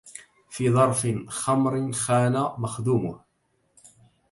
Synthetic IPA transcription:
fiːðˤɑɾˤfɪnxɑmɾɪnxaːnamaxd̪uːmʊh

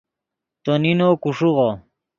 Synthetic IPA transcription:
t̪oninokuʂuʁo

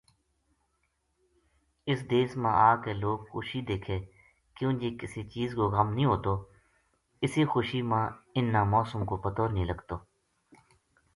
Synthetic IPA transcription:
ɪsd̪eːsmãːʔaːkeːloːɡxʊ̰ʃid̪eːkʰeː | kjũːd͡ʒiːkɪsit͡ʃiːzkoːɣəmnĩːɦoːt̪oː | ɪsixʊʃimãːɪnːaːmɔːsəmkoːpət̪oːɾnĩːləɡt̪oː

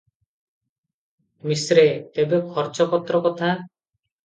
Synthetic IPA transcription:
misɾet̪ebekʰɔɾt͡ʃɔkɔt̪ɾɔkɔt̪ʰa

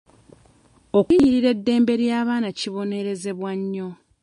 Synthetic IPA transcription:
okuɲiɾiɾe̞dːe̞ːmbe̞ɾjaːβaːnaciβo̞ne̞ɾe̞ze̞βwaɲːo̞

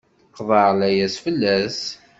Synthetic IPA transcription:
θqːðˤɑʕlæjæsfəlːæs

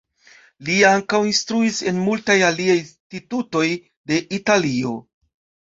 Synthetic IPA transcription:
liaŋkawinstɾuise̞nmultajaliajtituto̞j | de̞ʔitalio̞̰

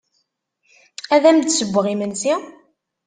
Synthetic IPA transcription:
æðæmd̪səbʷːəʁimənsi

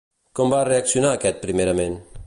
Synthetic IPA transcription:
kɔmbareaksjunaːkɛt̪̚pɾimeɾamen

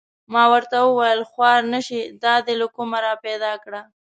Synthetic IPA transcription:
mɑwəɾt̪awəwajəlxwɑɾnəʃid̪ɑd̪elakumaɾɑped̪ɑkɽa

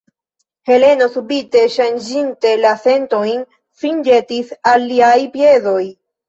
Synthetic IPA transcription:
he̞le̞no̞subite̞ʃand͡ʒinte̞lase̞nto̞jn | find͡ʒe̞tisalːiajpje̞zo̞j

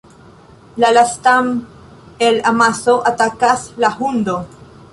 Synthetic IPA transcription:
lalastam | elamaso̞ʔatakaslahund̪o

